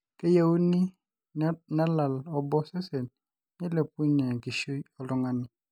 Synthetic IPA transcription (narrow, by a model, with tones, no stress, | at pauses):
ke˦ja˦u˦ni˦ | na˦la˨lɔ˨bɔ˦sɛ˦sɛ˨n | ni˦le˨pu˦ɲɛ˨ɡi˨ʃu˦jɔ˨lɔ˦ŋa˦nɪ˦